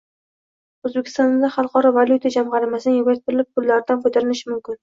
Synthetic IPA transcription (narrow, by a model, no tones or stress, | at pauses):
ozbekʲʰɪ̥st̪ɒnd̪aχɑlˠqʰɒɾɒvalʲˠjut̪ʰad͡ʒamʁɑɾɪmasɪnɪjɪbat̪̚b̪ɪɾɪlɪp̚pʰːʊlːaɾd̪anqʰojt̪aɾɪnɪʃɪmʊmkʲɪn